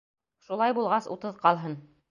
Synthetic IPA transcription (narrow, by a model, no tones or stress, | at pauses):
ʃulˠɑjbulˠʁɑsṵt̪ɤðqɑlˠɦɤn